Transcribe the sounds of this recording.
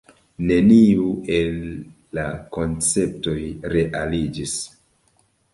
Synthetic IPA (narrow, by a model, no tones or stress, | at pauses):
ne̞niue̞lː | ako̞nt͡se̞p̚to̞jɾe̞ʔalid͡ʒis